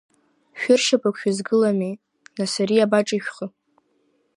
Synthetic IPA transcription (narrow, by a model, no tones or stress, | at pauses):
ʃᶣʊrʃapʰʷʼakʷʰᶣʊzɡɨlami | nasaɾiabaʈ͡ʂʼiʃʷᶣχə